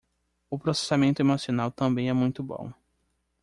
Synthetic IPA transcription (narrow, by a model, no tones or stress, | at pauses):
ʊpɾose̥samẽnt̪ʊemosionawt̪ɐ̃mbẽj̃ɛmũj̃t̪ʊbõ̰w̃